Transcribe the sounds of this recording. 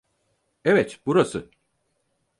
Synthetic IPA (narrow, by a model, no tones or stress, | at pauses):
evɛt̪buɾasɯ